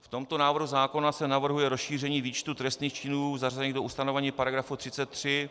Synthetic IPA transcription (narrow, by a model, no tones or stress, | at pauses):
ft̪o̞mt̪o̞naːvr̩ɦuzaːko̞nasɛnavr̩ɦujɛɾosʃiːr̝ɛɲiːviːt͡ʃt̪ut̪ɾɛst̪niːxt͡ʃɪnuːzarazɛɲidoʔust̪ano̞vɛɲiːpaɾaɡɾafut̪r̥ɪt͡sɛt̪ːr̝̥ɪ